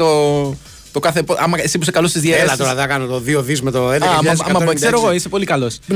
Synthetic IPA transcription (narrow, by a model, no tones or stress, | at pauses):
o | t̪okɐθepoʔɐmɐesipusekɐlost̪izðjelɐt̪oɾɐðɐkɐnot̪oðioðizmet̪oed̪eɐɐɐɐmɐkseɾoɣoisepo̞likɐlo̞s